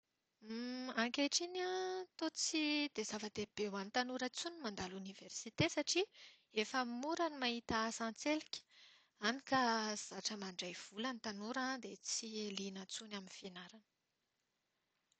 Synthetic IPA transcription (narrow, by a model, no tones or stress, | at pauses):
aŋkʲeʈ͡ʂinat̪ot͡sid̪ezavəd̪eb̥ewant̪anuɾət͡sunimand̪aluniversit̪esaʈ͡ʂi | efəmuɾanimaɦit̪asãnt͡selikʲə̥ | anikaz̥aʈ͡ʂəmaɳɖ͡ʐajv̥ulanit̪anuɾad̪et͡silinət͡sunaminfenaɾanə